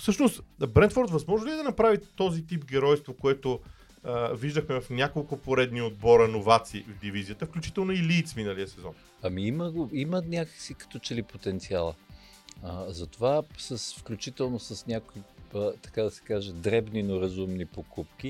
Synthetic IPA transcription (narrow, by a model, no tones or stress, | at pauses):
fsɤʃnost̪bɾɛnd̪fɔɾt̪vɐzmɔʒnʊlʲiɛd̪ɐnɐpɾavit̪ɔzit̪ipɡɛɾɔjst̪vokoɛt̪ʊ | əviʒd̪əxmɛvɐfnʲakolˠkʊpoɾɛd̪niod̪̚bɔɾɐnovat̪siːvd̪ivizijət̪əfklʲut͡ʃit̪ɛlˠnoiliːt̪sminəliəsɛzɔ̰n | ɐmiimɐɡoimənʲakəksikɐ̥t̪ɔt͡ʃɛlipot̪ɛnt̪sialˠə | əzɐt̪ovasəsfklʲut͡ʃit̪ɛlˠnosəsnʲakoiət̪ɐ̥kad̪ɐsɛ̥kaʒɛd̪ɾɛbninoɾɐzumnipokup̚kʲi